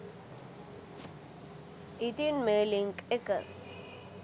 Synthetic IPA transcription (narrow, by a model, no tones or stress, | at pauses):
it̪inmeːliŋkekə̰ɾ